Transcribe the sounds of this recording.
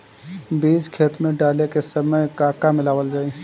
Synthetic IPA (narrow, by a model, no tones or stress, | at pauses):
biːd͡ʒkʰeːt̪mẽɖaːlekesɐməjkaːkamɪlaːʋəld͡ʒaːe